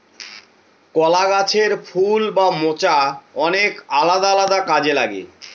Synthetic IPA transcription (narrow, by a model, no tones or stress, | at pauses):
kɔlaɡat͡ɕʰeɾfʰulbamot͡ɕaɔnekalad̪aalad̪akad͡ʑelaɡḛ